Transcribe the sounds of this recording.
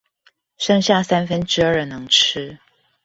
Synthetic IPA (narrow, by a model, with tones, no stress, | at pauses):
ʂɤ˥˧ŋɕja˥˨sa˥nfə˦nʈ͡ʂɻ̩˥ə˞˥˩nɤ˧˦ŋʈ͡ʂ̩ʰ˥